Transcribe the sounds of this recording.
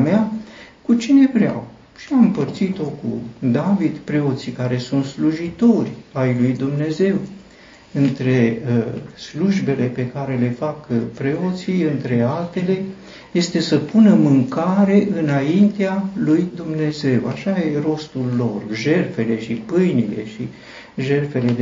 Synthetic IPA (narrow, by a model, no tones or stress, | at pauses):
meakut͡ʃine̞vɾea̰w | ʃiamɨmpərt̪sit̪o̞kṵd̪avid̪pɾe̞o̞t̪sikaɾe̞sunt̪sluʒit̪o̞rʲajlujd̪umne̞ze̞w | ɨnt̪ɾe̞ | sluʒbe̞le̞pe̞kaɾe̞le̞fakpɾe̞o̞t̪siɨnt̪ɾe̞alt̪e̞le̞ | je̞st̪e̞səpunəmɨŋkaɾe̞ʔɨnaint̪ealujd̪umne̞ze̞waʃajero̞st̪ulːo̞rʒe̞lfe̞le̞ʃipɨjnile̞̰ʃi | ʒe̞lfe̞le̞d̪